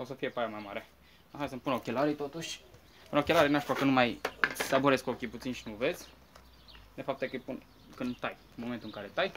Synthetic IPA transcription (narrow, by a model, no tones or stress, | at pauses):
o̞səfije̞pajamajmaɾe̞ | aɦajsəmpunokʲelaɾit̪ot̪uʃʲ | punokʲelaɾinaʃpakənumajsaboɾe̞skokʲiput̪sinʃinuve̞zʲ | d̪efap̚t̪ekəjpun | kɨnd̪t̪aj | moment̪uɨŋkaɾet̪aj